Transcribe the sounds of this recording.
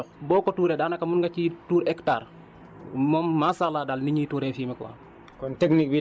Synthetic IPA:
bɔkɔtuɾɛɗanakamunɡat͡ʃituːɾɛkta̰ːɾ | mɔmːasaladalniɲiːtuɾɛfiːmɛkwa̰ | kɔnteknik̚bi

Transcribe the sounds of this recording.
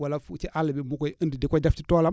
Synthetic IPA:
walafut͡ʃiʔalːəbimukojəndidikɔdafti̥tola

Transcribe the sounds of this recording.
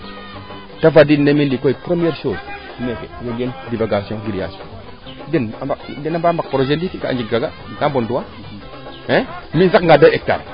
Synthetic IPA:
tavadinemindikojipɾemieɾʃoz | mekḛweɡendivaɡasjɔ̃ɡidia̰sõ̰ | dinabadinambambak̚pɾoʒendikikaa̰d͡ʒikɡaɡa | kambonduwa | ɛ̃minzakŋɡadaek̚ta̰ɾ

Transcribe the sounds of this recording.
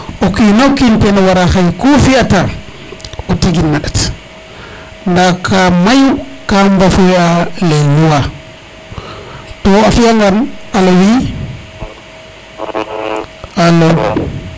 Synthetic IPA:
okinakintenawaɾaxajkofiata | oteɡinːaɗat | ndakʰamajukambafualejuwa | tɔafijaŋɡanalowi | alo

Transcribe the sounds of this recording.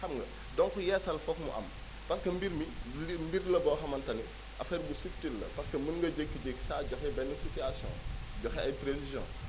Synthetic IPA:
ɐmŋɡɐ̰ | dɔŋkujɛsɐlfɔkmṵʔɐ̰m | pɐskɐmbiɾmiimbirlɐbɔːxɐmɐntɐni | ʔɐfɛːɾbusuk̚tːilːɐpɐskɐmənŋŋɡɐɟekːiɟekːsaːɟɔxɛbɛnːɐsitiasjɔ̰̃ːɟɔxɛʔɐjpɾesizjɔ̰̃

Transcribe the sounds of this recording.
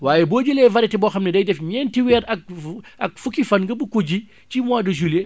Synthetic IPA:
waːjeboːɟulɛːvɐɾɛtɛbɔxɐmnɛdɐjdɛfɲɛːntiwɛːɾɐk̚ʔɐ̰k̚fukifɐnŋɡɐbukuɟi | t͡ʃimaːdɐʒule

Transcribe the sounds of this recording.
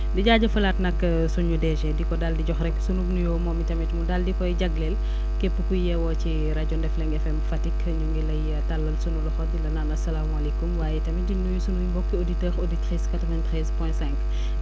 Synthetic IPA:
diɟaːɟɐfɐlatnɐkːɐ | sunɲudɛʒɛdikɔdaldiɟɔxrɛksunuɡnujoːmɔmitɐmɛtmudaldikɔjɟɐɡlɛl | kepːəkujɛwɔci | ɾaɟɔndɛflɛŋɡɛfɛmfɐtikʰː | ɲuŋɡilɐj | talːɐlsunulɔxɔdilɐnanɐsɐlaːmuɐlikumwaːjɛtɐmidinujusunujimbɔkːəoditəːɾoditɾiskatɾɔvaɲtɾɛːzpɛ̃sɛ̃ŋk

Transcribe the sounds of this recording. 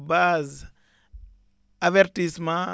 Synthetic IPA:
baz | aveɾtismã

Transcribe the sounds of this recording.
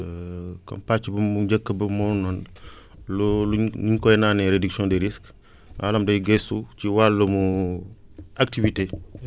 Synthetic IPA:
kɐ̰mpat͡ʃːibɐmuɟɐkːəbɐmɔnɔn | lɔluniɲkɔɛnaːnɛɾediksɔ̃ndeɾisk | wa̰ːlɐmdɐjɡɛsut͡ʃiwalːəmu | ak̚tivite

